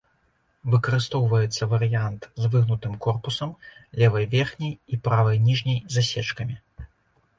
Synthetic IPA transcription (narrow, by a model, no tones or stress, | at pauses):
vɨkɐɾɨst̪ɔwvɐjɛt̪sːɐvɐɾɨjant̪zvɨɣnut̪ɨmkɔrpusɐmlʲɛvɐjvʲɛxnʲijipɾavɐjnʲiʐnʲɐjzasʲɛt͡ʂkɐmʲi